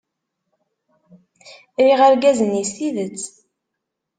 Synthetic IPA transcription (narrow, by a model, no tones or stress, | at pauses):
ɾiʁæɾɡæzənisiðət͡sː